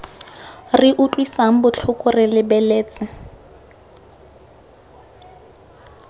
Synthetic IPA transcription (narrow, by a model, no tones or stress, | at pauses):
rɪʔʊt͡ɬʼwisaŋ̩bʊt͡ɬʰʊkʼʊrɪlɪbɛleːt͡sʼɪ